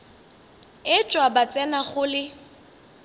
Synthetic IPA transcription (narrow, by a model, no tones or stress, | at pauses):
ɪt͡ʃʼwabat͡sʼɛnaχʊlɪ